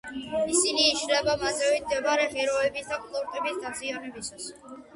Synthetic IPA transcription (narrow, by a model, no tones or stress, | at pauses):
isiniːʃlɛbamad̪zɛvit̪d̪ɛbaɾɛχɛɾɔɛbisd̪akʼlˠuɾt̪ʼɛbisd̪azʼianɛbisas